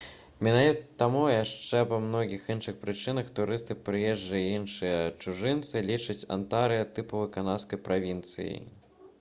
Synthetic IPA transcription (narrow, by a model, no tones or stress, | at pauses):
mʲinavʲit̪t̪amujaʂt͡ʂɛpɐmnɔɣʲixinʂɨxpɾɨt͡ʂɨnɐxt̪uɾɨst̪ɨpɾɨjɛʐd͡ʐɐjɐinʂɨjɐt͡ʂuʐɨnt̪sɨlʲit͡ʂɐt͡sʲa̰nt̪aɾɨjɐt̪ɨpuvɨkanaskɐjpɾʔavʲint̪sɨ̰jḭj